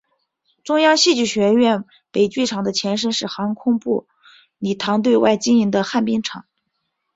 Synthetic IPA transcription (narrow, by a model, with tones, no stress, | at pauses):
ʈ͡ʂʊ˥ŋjɑ˥ŋɕi˥˧t͡ɕy˥˩ɕɥɛ˧˥ɥɛ˥˩n | pe˨˩ɪt͡ɕy˥˩ʈ͡ʂʰɑ˨˩ŋd̪ə˦t͡ɕʰjɛ˧˥nʂ̬ə˥nʂɻ̩˥˩xɑ˧˥ŋkʰʊ˥ŋpṵ˥˩ | ni˨˩t̪ʰɑ˧˥ŋt̪̬we˥˧ɪwa̰˥˩ɪt͡ɕi˥ŋi˧˥ŋd̪ə˧xa˥˩npi˥ŋʈ͡ʂʰɑ̰˨˩˦ŋ